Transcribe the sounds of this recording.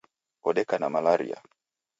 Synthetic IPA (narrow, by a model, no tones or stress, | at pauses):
ɔɗɛkanamalaɾḭa̰